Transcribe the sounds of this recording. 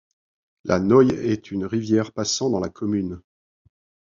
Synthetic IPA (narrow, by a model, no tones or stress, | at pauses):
lʔa̰nɔjɛt̪ʰynʁivjɛʁpasɑ̃d̪ɑ̃lakʰɔmyn